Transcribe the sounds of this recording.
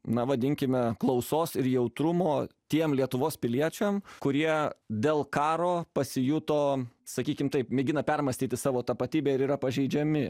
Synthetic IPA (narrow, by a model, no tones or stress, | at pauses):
nɐʋɐd̪ʲɪŋʲkʲɪmʲɛklˠɐʊsoːsɪɾjɛʊt̪ɾʊmoːt̪ʲiɛmlʲiɛt̪ʊʋoːspʲɪlʲiɛt͡ʃʲɛmkʊɾʲiɛd̪ʲeːlˠkɑːɾoːpɐsʲɪjʊt̪oːsɐkʲiːkʲɪmt̪ɐɪpmʲɛɡʲɪnɐpʲɛrmɐsʲt̪ʲiːt̪ʲɪsɑːʋoːt̪ɐpɐt̪ʲiːbʲeːɪɾiːɾɐpɐʒʲɛɪd͡ʒʲɛmʲɪ